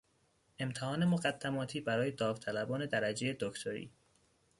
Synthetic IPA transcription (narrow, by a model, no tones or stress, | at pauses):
e̞mt̪ʰehɒːne̞moɣæd̪̥ːæmɒːt̪ʰiːbæɾɒːjed̪ɒːvt̪ʰælæbɒːne̞d̪æɾæd͡ʒe̞jed̪okt̪ʰoɾḭː